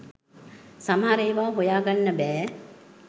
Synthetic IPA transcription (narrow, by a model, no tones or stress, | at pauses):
samɦaɾeːʋaːɦojaːɡanːəbɛː